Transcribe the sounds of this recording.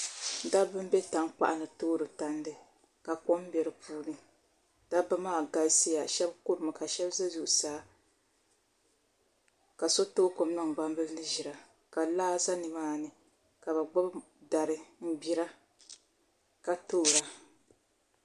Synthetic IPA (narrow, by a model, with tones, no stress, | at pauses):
da˦bɨ˦m˦be˦ta˨ŋk͡pa̰˨ʔa˦nɨ˨toː˦ɾɨ˨ta˨ndɨ˦ | ka˨ko˦m˦bɛ˨ɾɨ˨puː˦nɨ˦ | d̥a˦bɨ˦maː˦˨ɡa˦si˦ja˨ʃɛ˦bku˦ɾɨ˨ma˨ka˨ʃɛ˦bza˦zu˦ʔu˨saː˨˦ | ka˨so˦toː˦ko˨m˦nɨ˦ŋ˨ɡ͡ba˦m˦bɨ˦lnɨ˦ʒi˨ɾa˨ | ka˨laː˦za˦nɨ˨maː˦˨nɨ˨ | ka˨ba˨ɡ͡ba˦b | da˨ɾɨ˨m̩˦ɡ͡bi˨ɾa˦ | ka˨toː˦˨ɾa˨